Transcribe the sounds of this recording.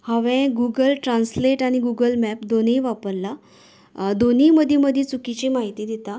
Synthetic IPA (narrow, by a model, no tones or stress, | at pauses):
haʋɛ̃ɡuɡəlʈɾansleʈaɽ̃iɡuɡəlmɛpd̪oniːʋapəɾla | d̪oniːməd̪ʱiməd̪ʱjit͡sukit͡ɕimaɦit̪iːd̪it̪a